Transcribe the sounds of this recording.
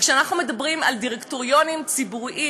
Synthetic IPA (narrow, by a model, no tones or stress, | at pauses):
kʃeanaχnume̞dabʁimaldiʁektoʁjo̞nimt͡sibuʁʔi